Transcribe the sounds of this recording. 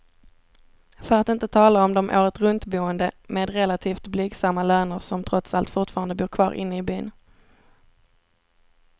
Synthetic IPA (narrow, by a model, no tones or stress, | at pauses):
fœɾat̪ɪnt̪ət̪ʰɑːlaɔmd̪ɔmʔo̰ːɾət̪ɾɵnt̪buːənd̪əmeːd̪ɾɛlat̪ʰiːft̪blyːɡsamːaløːnəɾsɔmt̪ʰɾɔt̪salt̪fʊʈfɑːɾand̪əbuːɾkʰvɑ̰ːɾʔɪ̰nːəɪbyːn